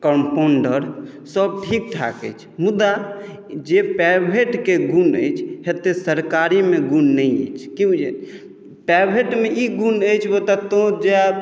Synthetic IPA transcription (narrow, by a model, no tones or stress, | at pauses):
kəmpoɳɖəɾ | səb̚ʈʰik̚ʈʰa̰kə̰jt͡ʃʰmud̪a | d͡ʒepɛbʱeʈkeɡunə̰jt͡ʃʰhet̪esəɾkaɾimeɡunːəjə̰jt͡ʃʰkiud͡ʒe | pɛbʱeʈmeiɡunəjt͡ʃʰwot̪at̪õd͡ʒe